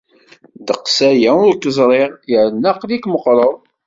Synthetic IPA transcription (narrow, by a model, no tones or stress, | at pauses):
d̪əqsæjæʊɾkəzˤɾˤeʁjəɾnɑqlikməqɾˤəðˤ